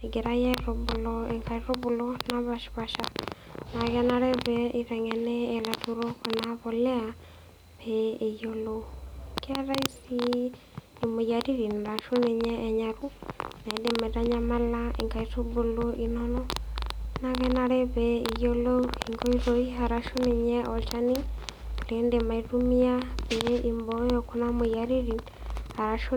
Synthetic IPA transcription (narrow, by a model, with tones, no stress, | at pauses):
e˨ɡe˨ɾa˦ja˦iɾo˨bu˨lɔe˨ŋka˨iɾo˦bu˨lɔna˨βa˨ʃi̥βaʃana˨ɣɛ˦na˦ɾɛ˦βɛi˦ɾɛ˨ŋɛ˨nɛː˦˨latu˨ɾo˦kɔ˨naβɔ˨lɛ˦a˨ | βɛe˨joloka˦ɾa˦i˦si˦ | ni˨mu˨ja˨ɾi˦ɾi˨n˨ɾa˨ʃu˦ne˨ɲɛː˦˨ɲa˨ɾu˦na˨indema˨ɾa˦ɲama˦lai˨ŋɡa˨itu˦βuloʔinonɔ | naɣɛnaɾe˦βei˨jo˦loiŋɡo˦iɾoi˦ɦaɾaʃo˦neɲɛɔ˨t͡ʃanilendema˨itumia˦βeimbojoku˦na˦mujaɾiɾin | ha˨ɾa˨ʃo